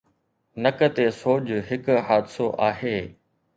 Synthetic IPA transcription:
nɐkət̪esoːd͡ʑɦɪkɦaːd̪soʔaːɦeː

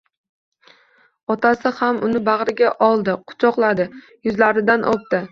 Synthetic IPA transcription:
ɒt̪ʰasɪhamʊnɪbaʁɾɪɡʲaʔɒlˠd̪ɪqʰʊ̥t͡ʃʰɒqlˠad̪ɪ | jʊzlaɾɪd̪anʔɒp̚t̪ɪ

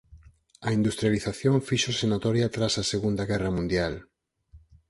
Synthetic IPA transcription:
ɐind̪ust̪ɾjaliθaθjoɱfiʃosenat̪ɔɾjat̪ɾasaseɣund̪ɐɣɛrɐmũnd̪jal

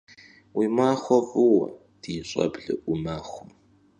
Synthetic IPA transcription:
wiːmaːχʷɔvuwɐ̰ | d̥iːɕʼɐ̰bɮɨ̰ʔʊmaːxʷʊm

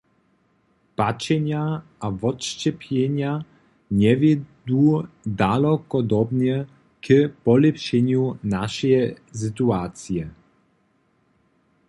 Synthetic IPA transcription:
pat͡ʂɛɲaavɔtʂt͡ɕɛpʲʰjɛɲa | ɲɛvʲɛd̪ud̪alɔkɔd̪ɔbɲɛ | kpɔlɛpʂɛɲunaʃɛj | s̬ɨt̪uaːt̪sjɛ

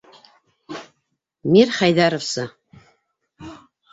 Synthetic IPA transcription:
miɾχæjðæɾofsɤ

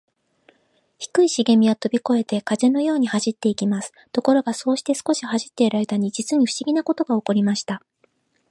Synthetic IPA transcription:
çi̥kɯ̟iɕiɡe̞mʲiat̪o̞bʲiko̞e̞t̪e̞kaze̞no̞jo̞ːɲ̟ihaʑit̪ːe̞ikʲimasɨ̥t̪o̞ko̞ɾo̞ɡaso̞ːɕi̥t̪e̞sɨ̥ko̞ɕihaʑit̪ːe̞iɾaɾe̞t̪aɲ̟id͡ʑit͡sɨɲ̟iɸɯ̥ɕiɡʲinako̞t̪o̞ɡao̞ko̞ɾʲimaɕi̥t̪a

